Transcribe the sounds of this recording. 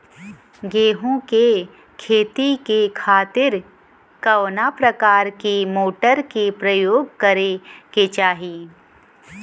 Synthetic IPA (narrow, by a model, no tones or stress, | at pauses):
ɡeːɦõke | kʰeːt̪ikekʰaːt̪ɪɾ | kɐʋnapɾɐkaːɾkimoːʈəɾkepɾɐjoːɡkɐɾeket͡ʃaːɦi